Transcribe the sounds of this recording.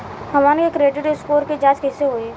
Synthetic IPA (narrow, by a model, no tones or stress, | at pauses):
ɦɐʋaːnkekɾeːɖɪʈɪskoːɾked͡ʒaːt͡ʃkɛseɦoːeː